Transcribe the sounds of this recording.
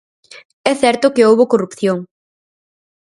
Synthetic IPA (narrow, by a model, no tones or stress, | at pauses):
ɛθɛɾt̪ʊkeowβokorupθjoŋ